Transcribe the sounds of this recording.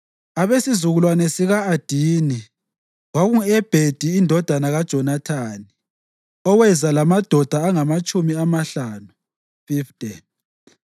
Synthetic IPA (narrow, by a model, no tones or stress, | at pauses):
aβesizuɣulwanɛsiɣaːd̥ʱiːni | waɣuɛb̥ʱed̥ʱiːndʱɔd̥ʱanaɣad̥ʒ̥ʱɔnatʰaːni | ɔwɛzalamad̥ʱɔd̥ʱaːŋamat͡ʃʼumiamaɬaːnu | fiftʼɛn